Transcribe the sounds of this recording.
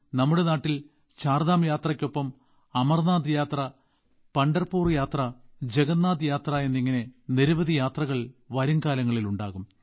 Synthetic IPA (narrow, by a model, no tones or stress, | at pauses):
nɐmːuɽe̞naːʈːil | t͡ɕaːrðaːmjaːt̪rɐkʲːo̞pːɐm | ɐmɐrnaːd̪jaːt̪rɐ | pɐɳɖɐrpuːrjaːt̪rɐd͡ʑe̞ɣɐnːaːd̪ɨjaːt̪raje̞nːiŋːɐne̞niɾuʋɐðʱijaːt̪rɐɣɐɭʋɐɾuŋkaːlɐŋːɐɭiluɳɖaːɣum